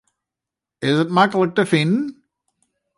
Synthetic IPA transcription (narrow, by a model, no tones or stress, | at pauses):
ɪzɨt̚maɪkəlɛk̚təfĩn